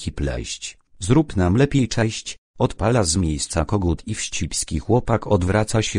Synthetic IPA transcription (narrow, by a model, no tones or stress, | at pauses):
kʲiplɛ̰ɕt͡ɕ | zɾupnamlɛpʲjejt͡ʂɛɕt͡ɕɔt̪palazmʲjejst̪sakɔɡut̪ʰifɕt͡ɕipʲskʲixwɔpakʰɔd̪vɾʔat̪saɕɛ